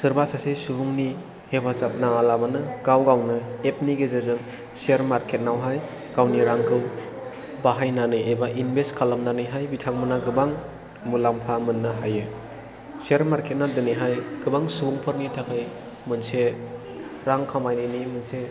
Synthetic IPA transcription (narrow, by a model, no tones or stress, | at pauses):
sɯɾbasasesubuŋni | hepʰasap̚naŋalabanɯɡawɡawnɯep̚niɡezezɯŋ | seɾmaɾkʰet̚nawɦaj | ɡ̥awniɾaŋkʰɯw | baɦajnanɯjebaʔinbʱestkʰalamnanɯjɦajbitʰaŋ̚mɯnaɡɯbaŋ | mulampʰamɯnːɯɦajɯ | seɾmaɾkʰet̚nadɯniɦajɡ̥ɯbaŋsubuŋpʰɯɾnitʰakʰɯj | mɯnse | ɾaŋkʰamajnɯnimɯnse